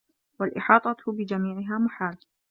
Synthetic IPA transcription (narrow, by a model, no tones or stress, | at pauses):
walʔɪħɑːt̪ˤɑtbɪd͡ʒamiːʕɪɦaːmʊħaːl